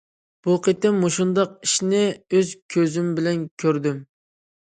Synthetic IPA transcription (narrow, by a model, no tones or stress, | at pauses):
b̥uqʰet̪ɪmːuʃund̪ɑq̚iʃnɪøzkʲʰøzymbɪlɛnkʲʰøɾd̪ym